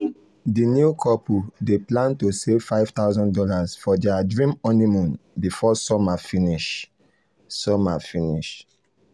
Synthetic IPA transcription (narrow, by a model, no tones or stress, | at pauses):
dinjukʰɔpudeplãntosev̥faɪv̥t̪aʊzɔ̃ndɔlasfɔdɛadɹĩmɔnimɔ̃nbifɔsɔmafiniʃ | sɔmafiniʃ